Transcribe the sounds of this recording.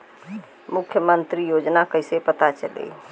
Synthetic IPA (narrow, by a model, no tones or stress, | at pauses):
mukʰjəmənt̪ɾijod͡ʒnakəɪsepət̪at͡ʃəlḛ